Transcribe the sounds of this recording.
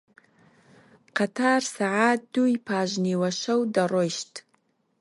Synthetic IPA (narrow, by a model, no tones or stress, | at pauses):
qat̪ʰaːrsaʕaːt̚d̪̥ujpʰaːʒniwɐʃɐwd̪ɐrojʃt